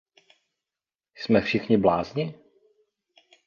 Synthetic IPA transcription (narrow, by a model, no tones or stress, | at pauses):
smɛfʃɪxɲɪblaːzɲɪ